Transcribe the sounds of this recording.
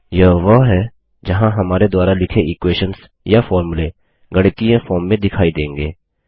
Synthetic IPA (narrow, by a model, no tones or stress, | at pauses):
jɐʋəɦɛ | d͡ʒɐɦãɦɐmaːɾed̪ʊaːɾalɪkʰeʔɪkweːʃəns | jafɔːɾmʊle | ɡɐɽkijãfoːmːẽd̪ɪkʰaːid̪ẽːŋɡeː